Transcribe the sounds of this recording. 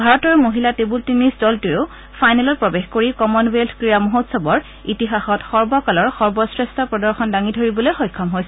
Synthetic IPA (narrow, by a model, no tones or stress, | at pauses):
bʱaɹɔtɔɹmoɦilatebultinisdɔltujʊ | fʰajnɛlɔt̚pɹɔbexkoɹikɔmɔnweltʰkɹijamuɦotsɔbɔɹ | itiɦaxɔtxɔɹbɔkalɔɹxɔɹbɔsɹestʰɔpɹɔdɔɹxɔndaŋidʱoɹibɔlojxɔjkʰːɔmɦojsɛ